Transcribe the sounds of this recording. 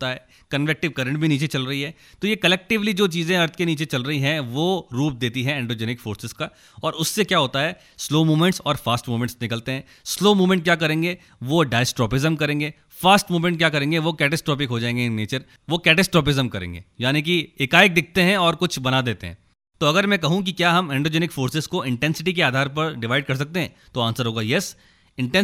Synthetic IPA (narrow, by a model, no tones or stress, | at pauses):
t̪aɦɛː | kɐnʋek̚ʈɪʋkɐɾə̃ɳʈ̚bʱiniːt͡ʃet͡ʃɐlɾɐɦiɦɛ | t̪ojekɐlɛk̚ʈɪʋlid͡ʒoːt͡ʃiːzẽɐɾt̪ʰkeniːt͡ʃet͡ʃɐlɾɐɦiɦɛ̃ʋoɾuːp̚d̪eːt̪iɦɛ̃ɛ̃ːɳɖoːd͡ʒɛːnɪkfoːɾsɪzka | ɔːɾʊsːekjaːɦoːt̪aɦɛː | sloːmuːmɛ̃ɳʈsɔːɾfaːsʈmuːmɛ̃ʈsnɪkəlt̪eɦɛ̃ː | sloːmuːmɛ̃ɳʈ̚kjaːkɐɾẽːŋɡe | ʋoɖaːɪsʈɾɔːpɪzəmkɐɾẽːŋɡeː | faːsʈmuːmẽɳʈ̚kjaːkɐɾẽːŋɡeʋokɛːʈɛsʈɾɔːp̬ɪkɦod͡ʒaːẽːŋɡeneːt͡ʃəɾ | ʋokɛːʈɛsʈɾɔːp̬ɪzəmkɐɾḛ̃ːŋɡḛːjaːnik̬iɪkaːjək̚d̪ɪk̚ʰt̪eɦɛ̃ɔːɾkʊt͡ʃʰbɐnad̪eːt̪eɦɛ̰̃ | t̪oɐɡəɾmɛ̃kɐɦũk̬ikjaːɦɐmɛ̃ːɳɖɾoːd͡ʒeːnɪkfoːɾsɪzkoɪ̃ɳʈɛ̃nsɪʈikeaːd̪ʱaːɾpɐɾɖɪʋaːɪɖ̚kɐɾs̬ɐk̚t̪eɦɛ̃ | t̪oãːnsəɾɦoːɡaːjɛs | ɪ̃ɳʈɛ̃n